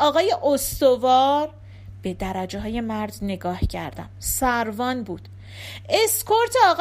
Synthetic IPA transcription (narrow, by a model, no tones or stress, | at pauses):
ɒːɣɒːje̞ʔost̪o̞vɒːɾ | b̥e̞d̪æɾæd͡ʒeɦɒːje̞mæɾd̪ne̞ɡɒːhcʰæ̰ɾd̪æ̰msæɾvɒːnbuːd̪̥ | e̞skʰoɾt̪ʰeɒːɣ